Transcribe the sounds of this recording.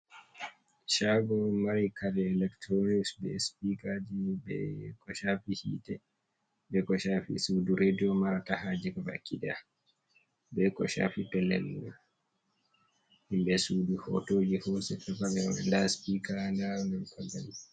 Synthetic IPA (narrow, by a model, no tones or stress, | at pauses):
ʃaɡɔmaɾikalɛːlɛktɾoniksbɛspikad͡ʒibɛ̰kɔʃafihḭːtɛ | bɛkɔʃaːfḭsuduɾediɔmaɾatahaːd͡ʒɛkɔva̰kʰːiɗa | bɛkɔ̰ʃa̰ːfipɛlːɛ̰luɛ | himbɛsuduhɔ̰tod͡ʒihɔsɛtɛvabɛndaspikandanɛkʰaɡali